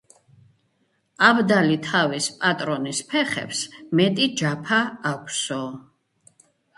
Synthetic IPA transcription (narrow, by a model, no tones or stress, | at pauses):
abd̪alit̪ʰavispʼat̪ʼɾɔnispʰɛχɛ̰psmɛt̪ʼid͡ʒapʰaːkʷʰsɔ